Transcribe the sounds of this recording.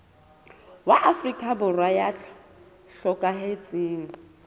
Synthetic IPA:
waʔafrikʼabʊrwajat͡ɬʰ | ɬɔkʼaɦet͡sʼiːŋ̩

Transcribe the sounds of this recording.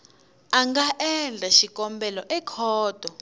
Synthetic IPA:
aŋɡaʔɛnd͡ɮʱaʃikʼɔmbɛlɔʔɛkʰɔːd̥ʱɔ

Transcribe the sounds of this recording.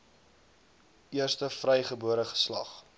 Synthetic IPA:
ʔiərstəfrɛjχəbuəɾəχə̥slɐ̰χ

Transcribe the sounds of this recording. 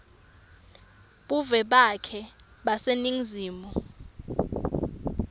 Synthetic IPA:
ɓuvɛɓakʰɛ | ɓaseniŋziːmɔ

